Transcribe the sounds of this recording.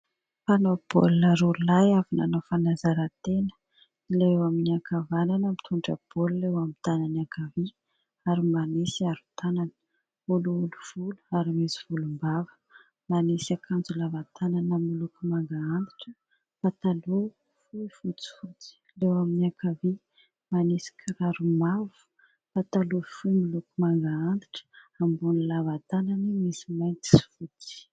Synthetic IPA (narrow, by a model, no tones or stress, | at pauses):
fanob̥o̰lnəɾuɾulajavina̰nofanazaɾat̪enə̥ | ilewaminiakʰavananəmit̪ʰuɳɖ͡ʐəb̥olulewamit̪ananiakavi | aɾimanesiaɾut̪ananə̥ | uluuluv̥ulu̥aɾimesiv̥ulumbavə̥ | manesakʰand͡zulavat̪ʰananamilukumaŋɡaand̪i̥ʈ͡ʂə | pat̪alu | fuifut͡si̥fut͡si̥ | lewaminiakʰavi | manesi̥kʰiɾaɾumavu̥ | pat̪alufujmilukumaŋɡaand̪i̥ʈ͡ʂə̥ambunilavat̪ananimisimajnt̪i̥si̥fut̪i̥